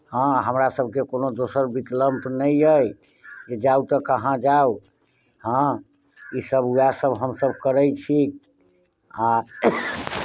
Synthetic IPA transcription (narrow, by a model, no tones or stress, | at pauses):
hə̃ɦəmɾasəb̚ʱkekonod̪osəɾbit̪ləmpnəjəj | d͡ʒed͡ʒaut̪əkəɦãd͡ʒau | hə̃ | isəbuasəbɦəmsəbʱkəɾəjt͡ʃʰi | a